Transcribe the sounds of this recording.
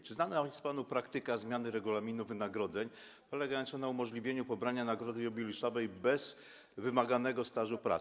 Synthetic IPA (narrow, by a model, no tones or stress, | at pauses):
t͡ʂɘznanajɛst̪panupɾakt̪ɘkazmʲjanɘɾɛɡulamʲinuvɘnaɡɾɔd̪zɛɲ | pɔlɛɡajɔnt͡ɕɛnaumɔʐlʲivʲjeɲupɔbɾaɲanaɡɾɔd̪ɘɔbʲilʲiʂɔvɛjbɛz̥ | vɘmaɡanɛɡɔst̪aʐupɾa̰